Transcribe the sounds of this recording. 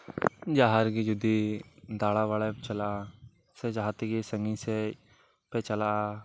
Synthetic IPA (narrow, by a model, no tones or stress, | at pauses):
d͡ʒaːɦaɾɡid͡ʒʊd̪ːid̪aːlaʋaːlet͡ʃɐla | sed͡ʒaːɦt̪eɡisə̃ŋɡise | pet͡ʃəla